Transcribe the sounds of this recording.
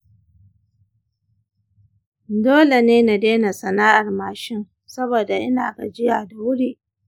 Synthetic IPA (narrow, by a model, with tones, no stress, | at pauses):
doː˦le˨neː˦na˨deː˦na˨sɐ˨naː˦ʔa˨rmaː˨ʃɪ˦ŋ | sɐ˦boː˨da˨ʔɪ˦naː˨ɡa˨d͡ʒɪ˦jaː˨da˨wʊ˦ɽiː˦ʔ